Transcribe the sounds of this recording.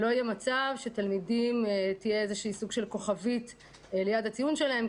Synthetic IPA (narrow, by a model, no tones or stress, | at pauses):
lo̞ajemat͡savʃet̪almidimt̪ijeezeʃiːsuɡʃe̞lko̞χavit | lejadhat͡sijunʃe̞lahe̞m